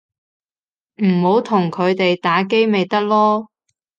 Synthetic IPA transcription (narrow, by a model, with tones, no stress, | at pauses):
m̩˨˩ho˨˥wt̪ʰʊ˨˩ŋkʰɵ˨˧ɥt̪e˨jt̪aː˨˥ke˥jme˨˧jt̪ɐ˥k̚lɔː˥